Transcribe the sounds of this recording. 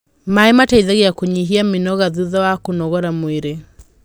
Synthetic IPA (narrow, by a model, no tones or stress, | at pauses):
maemataiðaɣeakoɲiɦiamenɔɣaðuðawakonɔɣɔɾamweɾe